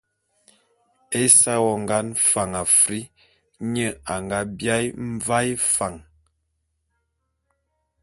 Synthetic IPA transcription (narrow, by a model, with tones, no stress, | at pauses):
e˦sa˦wɔ˦ŋ˨ɡa˦nfa˨ŋa˨fɾi˦ | ɲə˦˨a˨ŋɡa˦bja˦jm̩˦va˦jfa˨ŋ